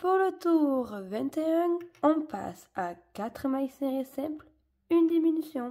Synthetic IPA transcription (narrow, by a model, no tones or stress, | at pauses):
puʁlət̪uʁvɛ̃t̪eœ̃ɔ̃pa̰sakat̪χmajseʁesɛ̃pl | ynd̪iminysjɔ̃